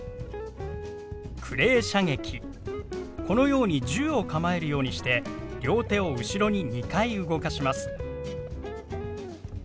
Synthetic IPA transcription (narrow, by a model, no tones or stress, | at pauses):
kʰɯ̟ɾe̞ːɕaŋe̞kʲi | ko̞no̞jo̞ːɲ̟id͡ʑɨːo̞kamae̞ɾɯ̟jo̞ːɲ̟iɕi̥t̪e̞ɾʲo̞ːt̪e̞o̞ɯ̟ɕiɾo̞ɲ̟iɲikaiɯ̟ɡo̞kaɕimasɨ̥